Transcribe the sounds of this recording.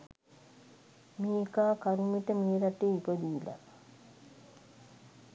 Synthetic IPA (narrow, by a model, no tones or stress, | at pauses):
miːekaːkaɾumiʈəmiːɾaʈeipəd̪iːla̰